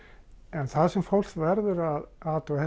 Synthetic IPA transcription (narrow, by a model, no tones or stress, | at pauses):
ɛnθaðsɛmfowl̥stvɛɾðʏɾaðaːt̪ɔhɛ